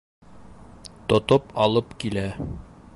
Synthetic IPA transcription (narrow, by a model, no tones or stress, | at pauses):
t̪ŏt̪opɑlˠɤpkilæ